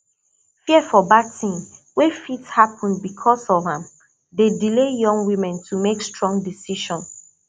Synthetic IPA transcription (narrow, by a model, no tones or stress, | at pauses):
fiɛfɔbatĩnwɛfithapʰɔ̃ndbikʰɔsɔvãm | dedilejɔ̃ŋwĩmɛ̃ntʰumekstɹɔ̃ŋdisiʃɔ̃n